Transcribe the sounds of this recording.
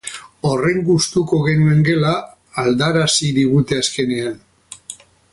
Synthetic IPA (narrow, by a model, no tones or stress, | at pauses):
o̞re̞ŋɡust̪uko̞ɣe̞nue̞ŋɡe̞laː | ld̪aɾasiɾiɣut̪e̞aske̞ne̞an